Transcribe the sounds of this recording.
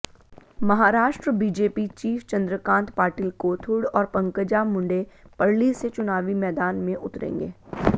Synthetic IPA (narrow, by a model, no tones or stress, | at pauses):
mɐɦaːɾaːʃʈɾəbiːd͡ʒeːpit͡ʃiːft͡ʃɐ̃nd̪ɾəkãːnt̪paːɾʈilkoːt̪ʰʊɽɔːɾpɐ̃ŋkəd͡ʒamʊ̃ɳɖepɐɽliset͡ʃʊnaːʋimɛːd̪aːnmẽʔʊt̪ɾḛ̃ːŋɡḛː